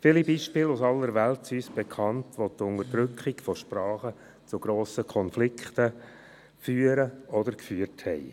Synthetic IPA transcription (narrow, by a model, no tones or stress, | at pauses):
fɪlibiːʃpɪːlusɑlːəɾʋæltsyːsb̥ekʰɑntʋotʊnəɾdɾʏkχiɡfɔʃpɾɑːχə | t͡suɡ̥ɾoːsəkʰɔnflɪkχtə | fyːəɾəɔdəɾkfyːərthɛɪ